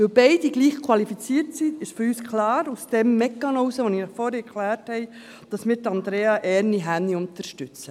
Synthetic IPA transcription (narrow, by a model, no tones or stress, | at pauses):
ɪwbɛɪdiɡliːχkʰwɑlifit͡siːɾtsiɪʃfyɾyːskʰlɑːɾusd̥ɛmːɛkːɑnoːsəʋoninɔχfɔːɾɛɛɾkʰlæːɾthɛɪ | d̥ɑsmɪːɾtɑnd̪ɾeːɑʔɛɾniɦænːiʊntəɾʃtʏt͡sə